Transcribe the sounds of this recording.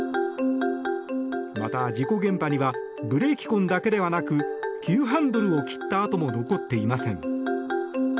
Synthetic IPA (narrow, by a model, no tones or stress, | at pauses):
ma̰t̪ad͡ʑiko̞ɡẽ̞mpaɲ̟iβa | bɯ̟ɾe̞ːkʲi̥kõ̞nd̪ake̞d̪e̞βanakɯ̟kʲɨːɦãnd̪o̞ɾɯ̟o̞kʲi̥t̪ːaːt̪o̞mo̞no̞ko̞t̪ːe̞imasẽ̞ŋ